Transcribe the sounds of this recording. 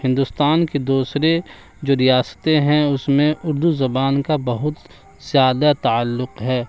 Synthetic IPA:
hɪ̃nd̪ʊst̪aːnked̪uːsɾe | d͡ʒoːɾijaːsə̥t̪eɦɛ̃ʊsmẽʊɾd̪uzɐbaːnkabɐɦʊt̪ | z̥jaːd̪at̪aəlːʊqɦɛː

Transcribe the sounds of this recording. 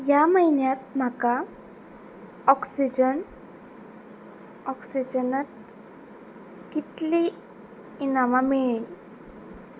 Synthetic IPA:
jaməjnjat̪̚m̤aka | ɔksid͡ʑən | ɔksid͡ʑənat̪̚ | kit̪liː | namameɭi

